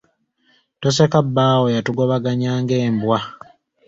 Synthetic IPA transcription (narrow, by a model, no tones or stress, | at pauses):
tosekabːaːwojatuɡo̞βaɡaɲaːŋɡeːmbwa